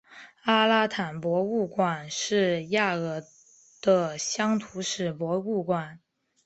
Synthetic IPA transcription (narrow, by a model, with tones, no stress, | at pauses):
a˥la˥t̪ʰa˨˩npwɔ˧˥u˥˩kwa˨˩nʂɻ̩˥˧ja˥˩ɤ˧˥ | d̪̥ə˧ɕjɑ˥ŋt̪ʰu˧˥ʂɻ̩˨˩pwɔ˧˥u˥˩kwa˨˩˦n